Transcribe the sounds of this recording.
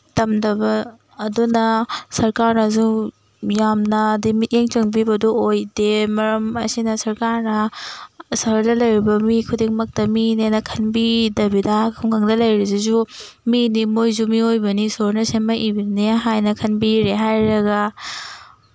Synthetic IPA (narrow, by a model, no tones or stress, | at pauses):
tɐmdɐbɐː | dunɐsɐɾkaɾnɐzu | jamnɐːdimiteŋt͡ʃɐŋbibɐduojdemɐɾɐmɐsinɐsɐɾkaɾnɐ | saɾdɐlɐjɾibɐmikʰudeŋmɐk̚tɐminenɐkʰɐnbidɐbidɐkʰuŋkʰaŋdɐlɐjɾizezu | minimojzumiojbɐnisoɾnɐsemɐʔibineɦajnɐkʰɐnbiɾeɦajɾɐɡɐ